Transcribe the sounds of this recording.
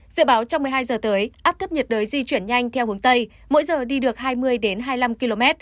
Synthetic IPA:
zɨ̰˧˨ɓaː˨˦wt͡ɕɔ˧wŋ͡mmɨ˨˩əjɦaː˧jzəː˨˩t̪əː˨˦jʔaː˦˥p̚t̪ʰə˦˥p̚ɲə˨˩t̚ɗəː˨˦jzi˧t͡ɕwi˧˩ənɲa˧jŋ̟t̪ʰɛ˧whɨ˨˦ŋt̪ə˧j | mo̰˧˥jzəː˨˩ɗi˧ɗɨ˨˩ək̚haː˧jmɨ˧əjɗe˨˦nɦaː˧jla˧mki˧lo˧mɛ˦˥t̚

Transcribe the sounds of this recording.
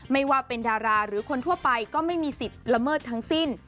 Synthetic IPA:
ma˥˩jwaː˥˩pe˧ndaː˧ɾaː˧ɾɯː˩˦kʰo˧nt̪ʰu˥˩ɐpa˧jkɔː˥˩ma˥˩jmiː˧si˨˩t̪̚ɾa˧mɤː˥˩t̪ʰːa˦˥ŋsi˥˩n

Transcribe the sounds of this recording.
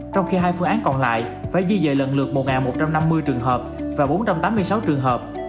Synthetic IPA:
t͡ɕɔ˧wŋ͡mxi˧ɦaː˧jfɨ˧əŋʔaː˨˦nkɔ˨˩nla̰ː˧˨jfaː˧˩jɣi˧zə̰ː˧˨lə̰˧˨nlɨ̰˨˩ək̚mo˨˩t̚ŋaː˨˩nmo˨˩t̚t͡ɕa˧mna˧mːɨ˧jt͡ɕɨ˨˩əŋɦəː˨˩p̚vaː˨˩ɓo˨˦nt͡ɕa˧mt̪aː˨˦mːɨ˧əjsa˨˦wt͡ɕɨ˨˩əŋɦəː˨˩p̚

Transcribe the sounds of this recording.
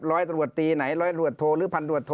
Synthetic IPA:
ɾɔː˦˥jt̪ɾu˨˩ət̪ːiː˧na˩˦jɾɔː˦˥jɾu˨˩ət̪ʰoː˧ɾɯː˩˦pʰa˧nɾu˨˩ət̪ʰoː˧

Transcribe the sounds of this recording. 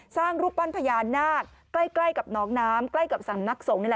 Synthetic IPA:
saː˥˩ŋɾuː˦˩p̚pa˧˩npʰa˧jaː˨˧˩nːaː˥˩kːla˧˥˩jkla˧˩jka˨˩p̚nɔː˨˦˥ŋnaː˦˥mkla˥˩jka˨˩p̚sa˨˦mna˦˥k̚so˨˩˦ŋn˧˩l

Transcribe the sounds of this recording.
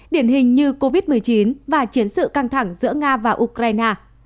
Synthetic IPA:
ɗi˧˩ənhï˨˩ŋ̟ɲɨ˧ko˧vi˦˥t̚mɨ˨˩əjt͡ɕi˨˦nvaː˨˩t͡ɕi˨˦ənsɨ̰˧˨ka˧ŋt̪ʰa˧˩ŋzɨ̰˧˥əŋaː˧vaː˨˩ʔu˧kɾaː˧jnaː˧

